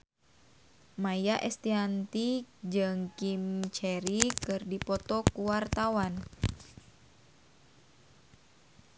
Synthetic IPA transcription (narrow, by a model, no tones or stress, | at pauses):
majaʔɛst̪iant̪id͡ʒɨŋkimt͡ʃɛɾikɨrdipɔt̪ɔkuwart̪awan